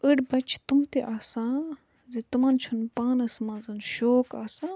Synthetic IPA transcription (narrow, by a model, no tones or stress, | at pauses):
əɽbɐt͡ʃʰt̪umt̪iʔaːsãː | zit̪umant͡ʃʰunpaːnɐsmãːnzɨnʃoːkaːsã